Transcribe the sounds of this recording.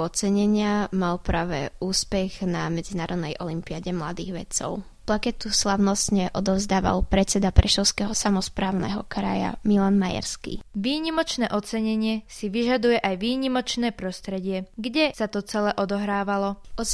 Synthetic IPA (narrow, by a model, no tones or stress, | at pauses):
ɔt͡sɛɲɛɲɪamalpɾaːʋɛuːspɛɣnamɛd͡zinaːɾɔd̪nɛjʔɔlimpiaɟɛmlad̪iːɣʋɛ̰t͡sɔ̰ʊ | plakɛt̪uslaʊnɔst̪ɲɛʔɔd̪ɔʊzd̪aːʋa̰lpɾɛt̪t͡sɛd̪apɾɛʃɔʊskɛɦɔsamɔspɾaːʊnɛ̰ɦɔ̰kɾa̰ja̰milanmaja̰ɾskḭʋiːɲimɔt͡ʃnɛːʔɔt͡sɛɲɛɲɪɛsiʋiʒad̪ujɛʔajʋiːɲimɔt͡ʃnɛːpɾɔst̪ɾɛɟɪɛɡɟɛsat̪ɔt͡sɛlɛʔɔd̪ɔɦɾaːʋalɔɔ